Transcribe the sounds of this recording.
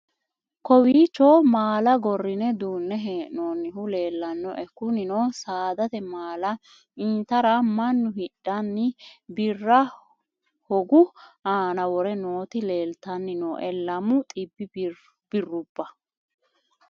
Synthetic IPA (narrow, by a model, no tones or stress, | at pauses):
kɔwiːt͡ʃːoːmaːlɐɡɔrːɪnɛd̪uːnːɛɦɛnoːnːɪhʊle̞ːlːɐnːɔ̰ʔɛkːʊnɪnoːsaːd̪ɐt̪ɛmaːlɐ | iːt̪ɐɾɐmɐnːʊhɪɗːɐnːɪbɪrːɐ | hɔɡʊaːnɐwɔɾɛnoːt̪ɪle̞ːlt̪ɐnːɪnoːʔɛlːɐmʊt̪ʼɪbːɪ | b̥ɪrːʊb̥ːɐ